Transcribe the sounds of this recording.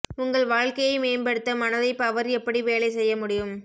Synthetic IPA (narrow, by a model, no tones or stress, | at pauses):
ʊŋɡɐɭʋaːɻkɐjɐɪmeːnbɐɽɯt̪ːɐmɐnɐðɐɪpɐʋɐɾɛpːɐɽiʋeːlɐɪsɛjːɐmʊɽɪjɯm